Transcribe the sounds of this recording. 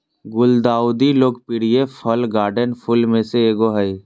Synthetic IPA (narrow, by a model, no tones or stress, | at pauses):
ɡʊld̪aːʊd̪iloːɡpiɽ̤iepʰəlɡaːɾɖənpʰʊlmẽseeːɡoɦəi